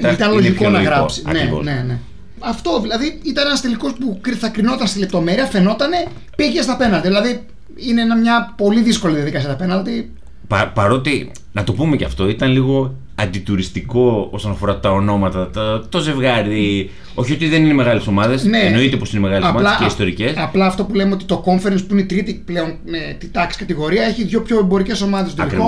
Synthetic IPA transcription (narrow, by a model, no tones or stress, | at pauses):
it̪ɐnlo̞ʝikolnɐɣɾɐsiɐ̰nevo̰sne̞ne̞ | ɐft̪o̞ðilɐðiit̪ɐne̞nɐst̪eliko̞spukɾiθɐkɾino̞t̪ɐnst̪ile̞p̚t̪o̞me̞ɾiɐfe̞no̞t̪ɐne̞ | piʝe̞st̪ɐpe̞nɐlt̪iðilɐði | ineenɐmɲɐpo̞liðisko̞liðiɐðikɐsiɐt̪ɐpe̞nɐlt̪i | pɐpɐɾo̞t̪i | nɐt̪o̞pume̞cɐ̰ft̪o̞it̪ɐnliɣo̞ | ɐnd̪it̪uɾist̪iko̞o̞sonɐfo̞ɾɐt̪ɐo̞no̞mɐt̪ɐt̪t̪o̞ze̞vɣɐɾi | o̞çio̞t̪iðe̞nineme̞ɣɐleso̞mɐðe̞sne̞no̞it̪e̞po̞sineme̞ɣɐleɐomɐðlɐskeist̪o̞ɾice̞sɐplɐːft̪o̞pulemeo̞t̪i̥t̪o̞ko̞ɱfeɾenspuineit̪ɾit̪iple̞o̞n | et̪it̪ɐksi̥kɐt̪iɣo̞ɾiɐe̞çiðʝo̞pço̞embo̞ɾice̞so̞mɐðesot̪ɐlio